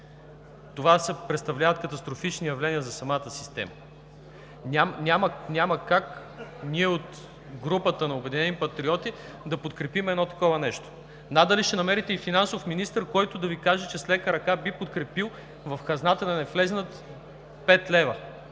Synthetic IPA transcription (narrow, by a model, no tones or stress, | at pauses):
t̪ovasɛpɾɛt̪st̪ɐvlʲavɐt̪̚kɐt̪ɐst̪ɾofit͡ʃnijɐvlɛniəzɐsɐmat̪əsist̪ɛ̰mɐ | nʲamnʲamənʲaməkak | niɛot̪ | ɡɾupət̪ənɐobɛd̪inɛnipɐt̪ɾiɔt̪i | d̪ɐpot̪kɾɛpimɛd̪nɔt̪ɐ̥kɔvɐnɛʃt̪o̥ | nad̪ɐliʃt̪ɛnɐmɛɾit̪ɛifinansofminist̪əɾkɔjt̪ʊd̪ɐvikaʒɛt͡ʃɛslɛkəɾɐkabipot̪kɾɛpilˠ | vɐfkɐznat̪ənɐnɛflɛznət̪ | pɛt̪lɛvə